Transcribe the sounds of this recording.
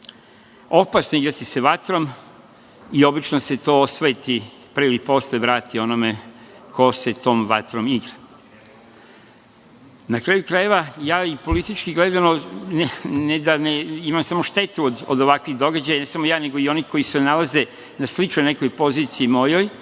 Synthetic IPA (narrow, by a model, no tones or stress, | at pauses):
o̞pasnoiɡɾat̪ise̞ʋat̪ɾo̞m | io̞bit͡ʃnoset̪oːosʋet̪i | pɾeilipo̞sleʋɾaːt̪io̞nome̞ | kʰo̞se̞t̪o̞ːmʋa̰t̪ɾo̞miɡɾa | nakɾaːjukɾaje̞ʋajaːipo̞lit̪it͡ʃkiɡled̪anonened̪aneimamsamoʃt̪e̞t̪uod̪o̰d̪o̞ʋakʋiɣd̪o̞ɡad͡ʑajanesamo̞jaːne̞ɡo̞io̞niko̞jise̞nalaze̞ | naslit͡ʃnojne̞ko̞jpo̞ziːt̪siimo̞joj